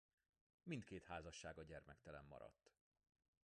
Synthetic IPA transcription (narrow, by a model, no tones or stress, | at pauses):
mint̪keːt̪haːzɒʃːaːɡɒɟɛrmɛkt̪ɛlɛmːɒ̰ɾɒ̰t̪ː